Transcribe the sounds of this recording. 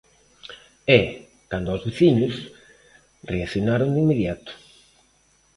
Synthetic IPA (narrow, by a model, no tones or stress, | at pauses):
ɛ | kand̪ʊɔzβeθiɲʊs | reakθjonaɾond̪imːeðjat̪ʊ̥